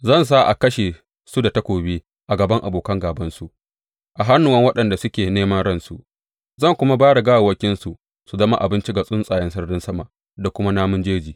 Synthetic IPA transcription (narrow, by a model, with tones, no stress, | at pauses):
zɐ˦˨ns̬a˦ʔa̰˨kɐ˦ʃe˨ | su˦da˨ta˦kʷoː˨beː˦ | ʔa˨ɡɐ˨bɐ˦ŋʔa̰˨boː˨kɐ˦ŋɡaː˨bɐ˦nsu˨ʔ | ʔa˨ɦa˦nːʊ˨wɐ˦ŋwɐ˦ɗɐ˨nda˨sʊ˦kʲeː˨neː˦mɐ˦nɽɐ˦nsu˨ʔ | zɐ˦˨ŋkʷʊ˦ma˦baː˦ɽa˨ɡaː˦wa˨wɐ˦kʲɪ˦nsu˨ | su˨zɐ˦ma˦ʔa˨bɪ˦nt͡ʃi˦ɡa˨sʼʊ˦nsʼaː˨jɪ˦nsɐ˦rdɪ˦nsɐ˦ma˨ | da˨kʷʊ˦ma˦naː˦mʊ˦nd͡ʒeː˦d͡ʒiː˨